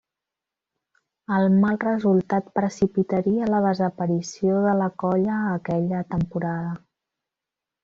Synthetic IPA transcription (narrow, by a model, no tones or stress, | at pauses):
əlˠmalˠrəzulˠt̪at̪̚pɾəsipit̪əɾiələðəzəpəɾisioðələkɔʎəːkɛʎət̪əmpuɾaðə